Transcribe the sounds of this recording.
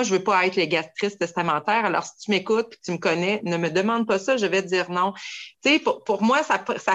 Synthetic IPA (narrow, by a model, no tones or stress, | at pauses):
ʒəvøpɔɛt̪χleɡast̪χɪst̪ɛst̪amɑ̃t̪ɛːʁalɔ̰ːʁsi̥t͡s̪ymekʊt̪̚pʲi̥t̪yməkɔnɛnəməd̪əmɑ̃d̪̚pʌsʌʒəvɛd͡z̪iːʁnɔ̃t̪t͡sepʊpʊʁmwasapsa